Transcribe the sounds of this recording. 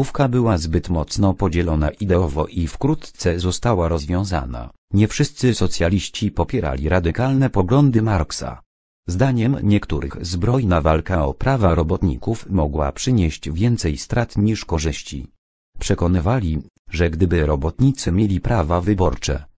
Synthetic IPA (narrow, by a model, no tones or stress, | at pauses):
ufkabɘwazbɘt̪mɔt̪snɔpɔd͡ʑɛlɔna̰ʔid̪ɛɔvɔ̰ʔifkɾut̪t̪sɛzɔst̪awaɾɔzvʲjɔ̃w̃za̰na̰ | ɲɛfʂɘst̪sɘsɔt̪sʲjalʲiɕt͡ɕipɔpʲjɛɾa̰lʲiɾad̪ɘkalnɛpɔɡlɔnd̪ɘmaɾksa̰ | zd̪aɲɛmɲɛkt̪uɾɘ̰xzbɾɔjnavalkaɔpɾavaɾɔbɔt̪ɲḭkufmɔɡwa̰pʂɘɲeɕd͡ʑvʲjɛnt̪sɛjst̪ɾat̪ɲiʂkɔʐɘɕt͡ɕḭ | pʂɛkɔnɘvalʲi | ʐɛɡd̪ɘbɘɾɔbɔt̪ɲit̪sɘmʲjelʲipɾavavɘbɔɾt͡ʂɛ̰